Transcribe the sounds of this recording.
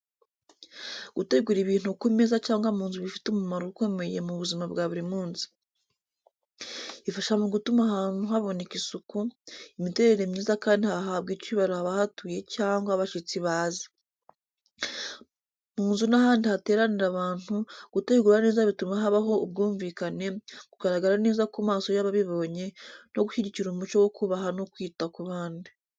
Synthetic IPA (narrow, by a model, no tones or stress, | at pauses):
ɡ̥ute̞ɡuɾiβiːn̥hukumezacaːŋɡwamuːnzuβifi̥tumumaɾouko̞me̞je̞muβuzimabɡaːβuɾimuːnzi̥ | ifaʃamoɡutumahaːn̥uɦaβo̞nekisukuimite̞ːɾe̞ɾemɲiːzakaːndihaɦab̚ɡicwiːβaɾohaβahatuje̞caːŋɡwaβaʃit͡siβaːzi̥ | muːnzunaɦaːndihate̞ːɾaniɾaβaːn̥uɡ̥uteiɡuːɾane̞ːzaβitumaɦaβaɦo̞ub̚ɡuːɱviːkane̞ɡ̥uɡaɾaɡaɾane̞ːzakumaːso̞jaβaβiβo̞ːɲe̞no̞ɡuʃiɟiciɾumumut͡ʃo̞wokuβaɦano̞kwiːtakuβaːndi